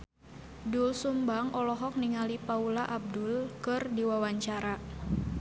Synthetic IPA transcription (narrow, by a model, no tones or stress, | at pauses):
dulsumbaŋɔlɔɦɔk̚niŋalipaulaʔab̚dulkɨrdiwawaɲt͡ʃaɾa